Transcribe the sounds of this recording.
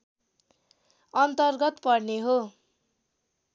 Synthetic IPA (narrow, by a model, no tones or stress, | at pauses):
ʌnt̪ʌrɡʌt̪pʌrneɦo